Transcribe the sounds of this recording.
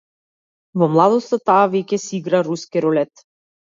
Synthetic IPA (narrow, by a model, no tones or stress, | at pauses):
vɔmlˠad̪ɔst̪at̪aːvɛcʲɛsiɡɾaɾuskiɾɔlɛt̪